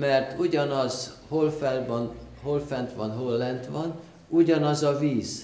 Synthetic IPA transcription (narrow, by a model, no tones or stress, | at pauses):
mɛrt̪uɟɒnɒz̥holfɛlbɒn | holfɛnt̪ʋɒnɦolːɛnt̪ʋɒn | uɟɒnɒzɒviːz̥